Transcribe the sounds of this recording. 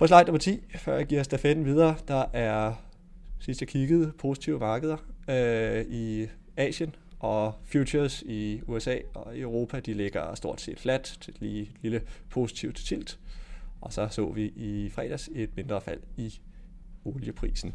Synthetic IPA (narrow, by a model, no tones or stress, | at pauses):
pʰɒs̬lɑ̈ɪ̰̥nɒ̽mɐt͡sʰḭːfɶɐ̰jɑɡ̥iɐ̰sd̥æfed̥n̩ʋið̞ˠɐːd̥ɑ̈ʔæɐ | sisd̥jɑ̈kʰiɡ̥əð̩ˠpʰo̝si̥t͡sʰiʊəmɑ̈ːɡ̥əð̞ˠɐ | i | ɛ̰ːɕən | ʔɒ̽fjuɕʰɐsiuesɛ̰ːɒ̽iəʊʁo̝ːpʰæd̥ile̝ɡ̥ɐsd̥o̝ɐ̰d̥se̝̰ːd̥flæd̥t͡sʰe̝̥liːe̝d̥liləpʰo̝si̥t͡sʰiʊd̥t͡sʰil̰d̥ʔɒ̽sɒ̽sɔ̰̽ːʋiʔifʁɛ̰ːd̥æse̝d̥me̝nd̥ʁɐfæl̰i | o̝ljəpʰʁḭːsn̩